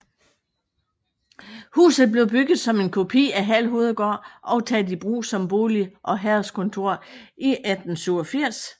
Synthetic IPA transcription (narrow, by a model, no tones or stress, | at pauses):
hṵːsð̞̩ˠb̥le̝ʊb̥yɡ̥ð̩ˠsɒ̽me̝nkʰo̝pʰḭːæɦæl̰ɦo̝ːð̩ˠɡ̥ɒ̰ːʔɒ̽ʊt͡sʰɛd̥ib̥ʁṵːsɒ̽mb̥o̝ːliʔɒ̽ɦæɐskʰɔ̽nt͡sʰo̝ɐ̰ʔiʔæd̥n̩syʊ̰ɒ̽fiɐ̰s